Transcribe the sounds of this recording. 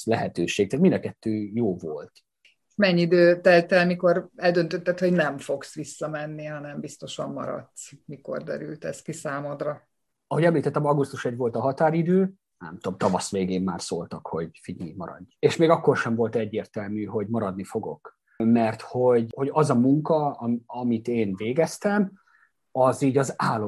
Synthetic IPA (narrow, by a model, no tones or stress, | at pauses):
lɛɦɛt̪øːʃeːk̚t̪aːt̪mind̪ɒkɛt̪ːøːjoːvolt̪ | mɛɲːiid̪øːt̪ɛlt̪ɛlmiko̞ɾɛld̪ønt̪øt̪ːɛt̪ho̞ɟnɛmfo̞ksʋisːɒmɛnːiɦɒnɛmbist̪o̞ʃɒmːɒ̰ɾɒ̰t̪smiko̞̰rd̪ɛ̰ɾy̰lt̪ɛskisaːmod̪rɒ | ɒɦo̞ɟɛmliːt̪ɛt̪ːɛmɒɡust̪uʃɛɟʋo̞lt̪ɒɦɒt̪aːɾid̪øː | nɛ̰mt̪o̞mt̪ɒvɒsʋeːɡeːmːa̰ːrso̰ːlt̪ɒkho̞ɟfiɲimɒɾɒ̰ɟːeːʃmeːɡɒkːo̞rʃɛɱvo̞lt̪ɛɟːeːrt̪ɛlmyːɦo̞ɟmɒɾɒd̪nifo̞ɡo̞̰k | mɛrt̪ho̞ɟho̞ɟɒzɒmuŋkɒɒmit̪eːnveːɡɛst̪ɛm | ɒziːɟɒzaːlːo